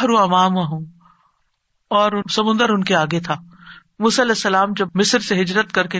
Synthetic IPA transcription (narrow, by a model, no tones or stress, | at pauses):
ɦɾũɐmaːmɐɦũː | ɔːɾʊsɐmʊ̃nd̪əɾʊnkeaːɡet̪ʰaː | muːsalɛːsːɐlaːmd͡ʒɐbmɪsɾseɦɪd͡ʒɾət̪kɐɾke